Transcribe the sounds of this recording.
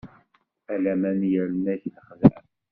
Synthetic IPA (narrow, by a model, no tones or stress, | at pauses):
ælæmænjəɾənæəχðæ̰ʕ